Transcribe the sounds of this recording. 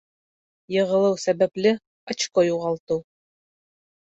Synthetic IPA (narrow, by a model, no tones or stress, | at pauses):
jɤ̆ʁɤ̆lˠɤwsæbæplɘ | ɑt͡ɕqojuʁɑlˠt̪ɤw